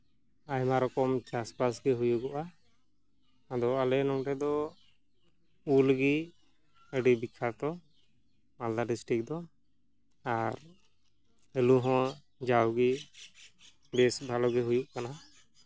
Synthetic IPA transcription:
ajmaɾɔkɔmt͡ʃaspasɡɛɦujuɡɔʔa | d̪ɔalɛnɔŋʈɛd̪ɔ | ulɡi | əɖibikʰat̪ɔ | mald̪aɖisʈik̚d̪ɔ | aɾ | ɛluɦɔ̃ | d͡ʒawɡi | bɛsbʱalɔɡɛɦujuʔkana

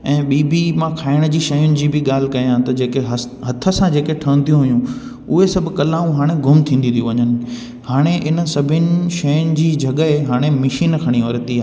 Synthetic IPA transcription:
ɛ̃ːɓiːbʱimãkʰaːɪɽ̃d͡ʑiːʃɐjʊnɪ̆d͡ʑiːbʱɪɠaːl̤ɪ̆kɐijãt̪ɐd͡ʑeːkeɦɐ | ɦɐt̪ʰə̆sãd͡ʑeːkeʈʰɐə̃nd̪ijũɦʊjũ | ʊɦesɐbʱʊ̆kɐlaːũɦaːɽ̃eɡʱʊmt̪ʰĩːnd̪ĩnijũʋɐɲənɪ̆ | haːɽ̃eʔɪnə̆sɐbʱɪnɪ̆ʃɐjʊnɪ̆d͡ʑiːd͡ʑʱɐɠəɦeɦaːɽ̃emɪʃiːnkʰɐɽ̃ioɾət̪iaː

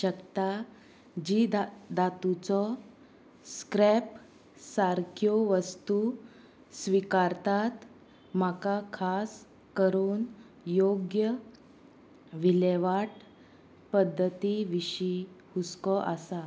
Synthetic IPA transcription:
ɕəkt̪a | d͡ʑid̪d̪at̪ut͡sɔ | skɾɛp | saɾkʰjoʋəst̪u | sʋikaɾt̪at̪ | m̤akakʰas | kəɾuːn | joɡjə | ʋileʋaʈ | pəd̪ʱːət̪iʋiɕihuskɔʔasa

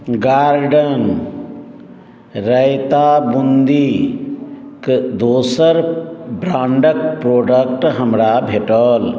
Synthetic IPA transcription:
ɡaːɾɖən | ɾəjt̪abund̪i | kd̪oːsəɾbɾãːɳɖək̚pɾoːɖək̚ʈɦəmɾabʱeʈəl

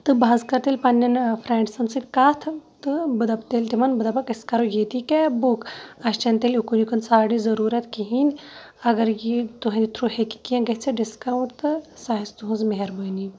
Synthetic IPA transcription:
t̪ɨbaːzkɐɾt̪elʲpɐnːɐnfʰɾẽːɳʈsɐnsɨt̪ʲkaːt̪ʰt̪ɨbɨd̪ɐpt̪elʲt̪imɐnbɨd̪ɐbpɐkɐskɐɾujet̪ikebukɐʃt͡ʃɐnt̪elʲukunikɐnsaːɽizɐɾuːɾɐt̪kiɦinʲ | ɐɡɐɾjit̪uɦɐnit̪ʰɾuheki̥kiɐ̃nɡɐɦt͡sʰɐɖiskawɳʈt̪ɨsaɦɐzt̪uɦũnzmeɦeɾbəːni

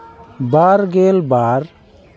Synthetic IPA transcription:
baɾɡelbaɾ

